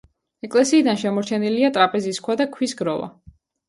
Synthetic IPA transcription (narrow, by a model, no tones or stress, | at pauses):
ɛkʼlɛsiːd̪anʃɛmɔɾt͡ʃʰɛniliat̪ʼɾapʼɛziskʰwad̪akʰwisɡɾɔva̰